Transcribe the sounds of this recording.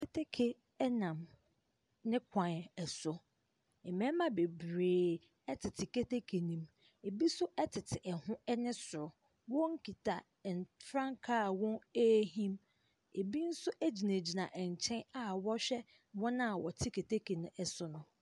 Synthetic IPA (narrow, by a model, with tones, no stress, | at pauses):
kʰe˦tʰe˦kʰe˨ | ɛ˦nã˨m | nɪ̃˦kʷʰã˨n˨ɛ˨sʊ˨ | ɛ˨mɛ̃˦mã˦be˨bɾeː˨ | ɛ˦tʰɪ˨tʰɪ˨ke˦te˦kʰe˨nĩ˨m | e˨bi˦sʊ˦ʔɛ˦tʰɪ˨tʰɪ˨ʔɛ˨hʊ̃˦ɛ˦nɪ̃˦sʊ˨ɾʊ˨ | wɔ̃˦ŋ̩˦kʰi˨tʰa˨ | n˨fɾã˦ŋkʰa˦˨wɔ̃˦e˦ɦĩ˦m | e˨bi˦n̩˦sʊ˦ʔæ˦d͡ʑi˨nẽ˨d͡ʑi˨nã˨ʔɛ˨ɲ˨t͡ɕʰɛ̃˦na˨wɔ˦ɕᶣɛ˦ | wɔ̃˦nã˦˨wɔ˨tʰɪ˦kʰe˨tʰe˦kʰe˨nʊ̃˦ɛ˨sʊ˦nʊ̃˦